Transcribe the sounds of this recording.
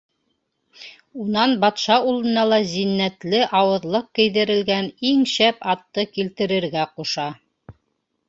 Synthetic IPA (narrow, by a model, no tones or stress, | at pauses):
unɑnbɑt̪ʃɑulˠɤ̆nɑlˠɑzinːæt̪lɘʔɑwɤ̆ðlˠɤq̚kɘ̆jðɘ̆ɾɘ̆lɡæniŋɕæpɑt̪ːɤkilt̪ɘ̆ɾɘ̆ɾɡæquʃɑ